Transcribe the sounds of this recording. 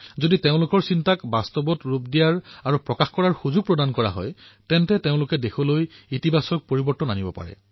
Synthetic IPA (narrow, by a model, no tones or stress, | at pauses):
zoditeʊ̃lʊkɔɹsintakbastɔbɔtɹupdijaɹaɹupɹɔkaxkɔɹaɹxuzuɡ̚pɹɔdankɔɹa̰ɦɔ̰jtɛntɛteʊ̃lʊkɛdekʰolojitibʱasɔk̚poɹibɔɹtɔnanibɔpa̰ɹɛ̰